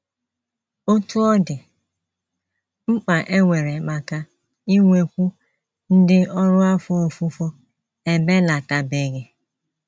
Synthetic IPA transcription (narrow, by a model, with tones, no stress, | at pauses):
o˦tu˦ɔ˦dɪ˨ | ŋ͡m̩˦k͡pa˨ʔe˦ŋʷe˨ɾe˨k͡pa˨ka˦ | i˦ŋʷe˨kʷu˦ | n̩˦dɪ˦ɔ˦ɾʊ˦a˦fo˦o˨fu˦fo˦ | e˦be˦la˨ta˨be˨ɡe˨